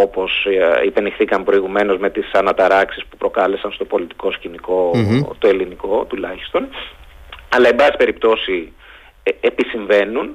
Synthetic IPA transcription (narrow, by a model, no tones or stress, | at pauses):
o̞po̞sipe̞nixθikɐmpɾo̞iɣume̞no̞zme̞t̪isɐnɐt̪ɐɾɐksispu̥pɾo̞kɐle̞sɐnst̪o̞po̞lit̪i̥ko̞sciniko̞t̪o̞e̞liniko̞t̪ulɐçi̥st̪o̞n | ɐlɐe̞bɐsi̥pe̞ɾipt̪o̞si | episiɱve̞nun